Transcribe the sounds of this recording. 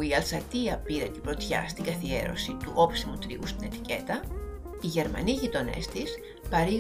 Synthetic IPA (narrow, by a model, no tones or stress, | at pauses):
iɐlsɐt̪iɐpiɾɐnt̪ibɾo̞t̪çɐ̰st̪iŋɡɐθie̞̰ɾo̞̰sit̪uʔo̞psimut̪ɾḭust̪ine̞t̪i̥ce̞t̪ɐ | iʝe̞ɾmɐ̰niʝit̪o̞ne̞̰st̪is | pɐɾiɣ